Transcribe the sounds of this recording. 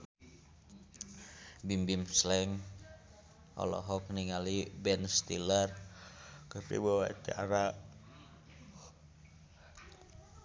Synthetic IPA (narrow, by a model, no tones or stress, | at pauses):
bimbimslɛŋ | ʔɔ̰lɔ̰ɦɔk̚niŋalibɛnst̪ilər | kəpḭwowaḭt̪ɛ̰ʔaɾaʔ